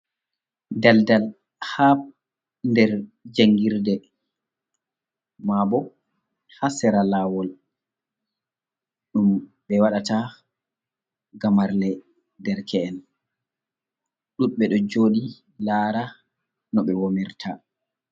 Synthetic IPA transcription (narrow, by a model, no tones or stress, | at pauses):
daldal | hap̚ | ndɛɾd͡ʒaŋɡiɾdɛ | mabɔ | hasɛɾalaːwɔl | ɗum | ɓɛwaɗata | ɡamaɾlɛ | dɛɾkʰɛɛn | ɗunɓɛɗɔd͡ʒoːɗi | laːɾa | nɔɓɛwomiɾtʰa